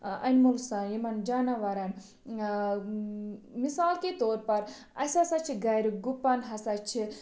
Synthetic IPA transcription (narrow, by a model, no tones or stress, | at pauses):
ɐ̰nmulsajimɐnd͡ʒanɐʋɐɾɐn | misaːlket̪oːɾpɐɾ | ɐ̰sɐsɐt͡ʃʰiɡɐjɾɡupːɐnɦɐsɐt͡ʃʰi